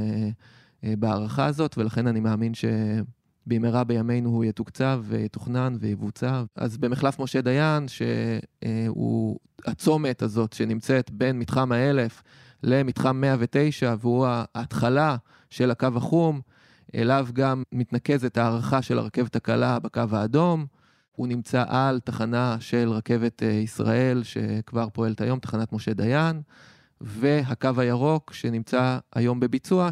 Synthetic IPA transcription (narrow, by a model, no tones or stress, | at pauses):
beaʁaχaːzo̞tvelaχe̞nanimeːminʃe̞ | bejmeʁabejame̞jnuhujetukt͡savːḛjetoχnanvejevut͡sava̰zbe̞miχlafmo̞ʃe̞d̪ajanʃḛ | ṵ | at͡so̞me̞tazo̞tʃenimt͡se̞t̪be̞nmitχamae̞le̞f | le̞mitχamːeavete̞jʃaveuaːt̪χala | ʃe̞lakavaχum | ʔe̞̰lavɡamːit̪nake̞zet̪haːʁaχaʃela̰ʁake̞vet̪hakalabekavaːdo̞m | unimt͡saʔalt̪aχanaʃe̞lʁake̞vet̪ʰisʁa̰ʔe̞lʃe̞̰kvaʁpo̞e̞let̪ajo̞mt̪ḁχanat̪mo̞ʃe̞d̪ajan | ve̞ɦakavajaʁo̞kʃe̞nimt͡saa̰jo̞mbe̞bit͡sua